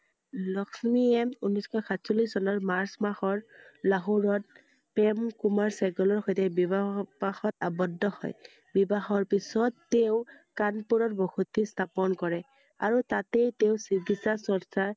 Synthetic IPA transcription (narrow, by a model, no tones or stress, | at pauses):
lɔksmiɛmunɔskʰɔxʰatsɔlisɔnɔɹmaɹsmaxɔɹlaɦuɹɔt̚ | pɛmkumaɹsaɡɔlɔɹxɔjtɛbibabaxɔtabɔdːɔhɔ̰j | bibaxɔɹpisɔtːeʊ̃kanpuɹɔtbɔxutistʰapɔnkɔɹɛ | a̰ɹutatejteʊsiɡitsasɔɹsaɹ